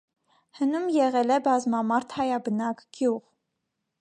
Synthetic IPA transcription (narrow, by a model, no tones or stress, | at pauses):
hənumjɛʁɛlɛbɑzmɑmɑɾt̪ʰhɑjɑbənɑkɡ̥juʁ